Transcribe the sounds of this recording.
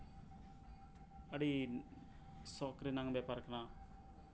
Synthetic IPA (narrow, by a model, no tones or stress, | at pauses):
əɽi | sokɾinaŋbepəɾknaː